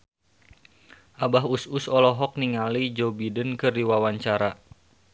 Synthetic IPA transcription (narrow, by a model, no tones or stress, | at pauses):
ʔabaɦususɔlɔɦɔk̚niŋalid͡ʒɔbidənkɨrdiwawaɲt͡ʃaɾa